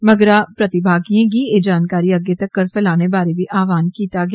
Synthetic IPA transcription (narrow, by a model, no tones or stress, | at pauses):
mɐɡɾapɾɐt̪ɪbʱaːɡiẽkied͡ʒaːnkaːɾiɐɡet̪ɐkːɐɾfʰɛlaːnebaːɾebʱiʔaːʋaːnkiːt̪aɡ